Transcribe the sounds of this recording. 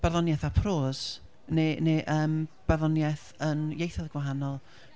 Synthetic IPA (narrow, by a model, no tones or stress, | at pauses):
b̥ɛrðɔnjɛθapʰroːz̥ | neneʔəːmb̥ɛrðɔnjɛθ | ənjejθaðɡ̥waɦanɔlˠ